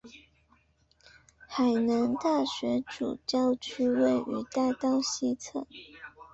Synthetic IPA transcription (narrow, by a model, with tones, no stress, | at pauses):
xa˨˩ɪnə˧˥ŋt̪a˥˩ɕɥɛ˧˥ʈ͡ʂṵ˨˩t͡ɕjɑ˥˧ʊt͡ɕʰy˥we˥˩ɪy̰˧˥t̪a˥˧ɪt̪ɑ˥˩ʊɕi˥t͡sʰɤ˥˩